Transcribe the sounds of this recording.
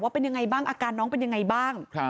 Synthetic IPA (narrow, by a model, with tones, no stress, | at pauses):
waː˥˩pe˧nja˧ŋa˧jbaː˥˩ŋʔaː˧kaː˧nːɔː˦˥ŋpe˧nja˧ŋːa˧jbaː˥˩ŋ˧